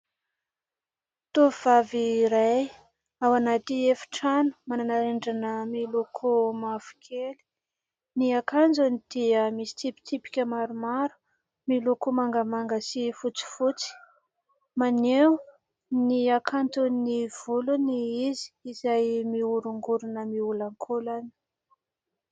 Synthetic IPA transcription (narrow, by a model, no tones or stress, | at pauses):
t̪uv̥aviɾaj | awanat̪iefi̥ʈ͡ʂanu̥mananaɾeɳɖ͡ʐanəmilokʰomafu̥kʲʰeli̥ | niakand͡zunid̪̥iəmisi̥t̪ipi̥t̪ipi̥kʲəmaɾumaɾu̥ | milokomaŋɡəmaŋɡəsifut͡si̥fut͡si̥ | manew | niakʰant̪univ̥uluniizi̥ːzajmiuɾuŋɡuɾunəmiulaŋkʰolani̥